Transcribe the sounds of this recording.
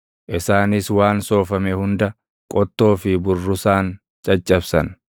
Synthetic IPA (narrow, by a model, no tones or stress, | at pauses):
ʔɪsaːnɪswaːnso̞ːfɐmehʊnd̪ɐ | kʼɔt̪ːo̞ːfɪbʊrːʊsaːn | t͡ʃʼɐt͡ʃʼːɐbsɐ̰n